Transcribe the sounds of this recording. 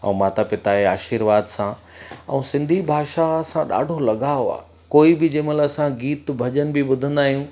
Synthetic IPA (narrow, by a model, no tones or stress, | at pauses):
ɛ̰̃ũmãːt̪apɪt̪aeaːʃiːɾʋaːd̪sã | ɛ̰̃ũsɪ̃nd̪ʱibʱaːʃasãɗa̰ːɖʱolɐɠaːjoa̰ːɦ | koːibɪd͡ʑẽːmə̃lasãɡiːt̪bʱɐʄənɪ̆bʱɪiɓʊd̪ʱə̃n̆d̪aːɦijũː